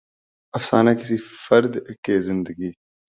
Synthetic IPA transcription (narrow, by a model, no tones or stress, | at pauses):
ɐfsaːnakɪsifəɾd̪keːzɪ̃nd̪əɡiː